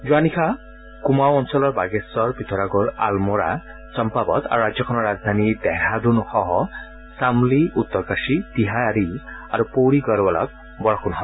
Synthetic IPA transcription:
zuanikʰa | kumawɔnsɔlɔɹbaɡɛsɔɹpit̪ʰɔɾaɡɔɹa̰lmɔɹa̰ | sɔmpabɔ̰t̪a̰ɹuɹazjɔkʰɔnɔɹazd̪ʱanidɛhadunxɔɦɔ | samliut̪ːɔɹkasitiɦaɾiaɹupowɹiɡɔɹbɔlɔ̰k̚ | bɔɹɔkʰunɦɔb

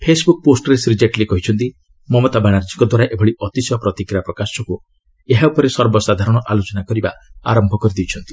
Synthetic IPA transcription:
pʰesbuk̚posʈɔɾesɾid͡ʒeʈlikɔɦit͡ʃʰɔnt̪i | mɔmɔt̪abaɽ̃aɾd͡ʒikɔd̪waɾaʔebʱɔɽiʔɔt̪isɔpɾɔt̪ikɾiapɾɔkasɔku | eɦaupɔɾesɔɾbɔsad̪ʱaɾɔɽ̃ɔʔalot͡ʃɔnakɔɾibaa̰ɾɔmbʱɔkɔɾid̪iwt͡ʃʰɔnt̪i̥

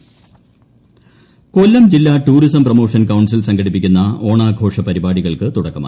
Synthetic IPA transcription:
kolːɐmd͡ʑilːaːʈuːɾisɐmprɐmo̞ːʂɐnkɐwɳsilsɐŋɡʱɐɽipːikʲːunːɐo̞ːɳaːɡʱo̞ːʂɐpɐɾibaːɽiɣɐɭkɨt̪uɽɐkːɐma̰ː

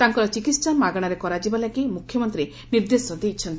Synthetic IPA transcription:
t̪aŋkɔɾɔt͡ʃikit̪ssamaɡɔɽ̃aɾekɔɾad͡ʒibalakimukʰjɔmɔnt̪ɾi | niɾd̪esɔd̪ejt͡ʃʰɔnt̪i

